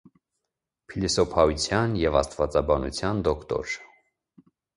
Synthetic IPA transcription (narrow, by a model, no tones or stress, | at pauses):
pʰilisɔpʰɑut͡sʰjɑnjɛvɑst̪vɑt͡sɑbɑnṵt͡sʰjɑnd̪ɔkʰt̪ɔ̰ɾ